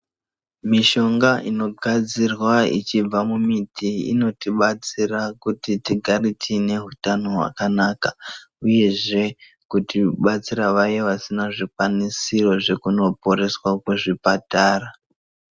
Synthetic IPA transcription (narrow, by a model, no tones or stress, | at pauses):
miʃo̞ŋɡaʔino̞ɡʱad͡zirwaḭt͡ʃib͡vamumitʰiḭno̞tiɓat͡sirakutitiɡʱaritʰine̞ɦutano̞ɦwa̰kanaːkauje̞ʐe̞ | kutiɓat͡siɾaʋajeʋasinaʐikwanisiro̞ʐe̞kuno̞po̞ɾe̞swakuʐipataːra